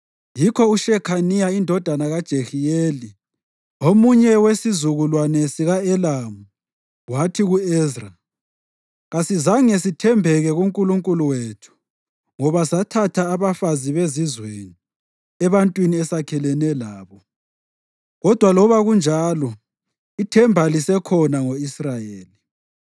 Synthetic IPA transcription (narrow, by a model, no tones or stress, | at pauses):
jikʰɔuʃɛkʰanijaindʱɔd̥ʱanaɣad̥ʒ̥ʱexijeːli | omuɲɛwesizuɣulwanɛsiɣaɛlamu | watʰiɣuɛzra | ɣasizaŋɛsitʰɛmbʱɛɣɛɣuŋkʼuluŋkʼuluwetʰu̥ | ŋɔβasatʰatʰaːβafaziβezizweni | ɛβantʼwiniɛsakʰɛlɛnɛlaːβɔ | ɣɔd̥ʱwalɔβaɣund͡ʒʱaːlɔ | itʰɛmbʱalisɛkʰɔnaŋoisrajeːli